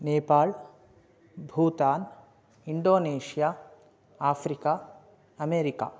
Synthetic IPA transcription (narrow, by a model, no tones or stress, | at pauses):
neːpaːɭ | bʱuːt̪aːn | iɳɖoːneːʂijaː | aːpʰɾika | ɐmeːɾika̰ː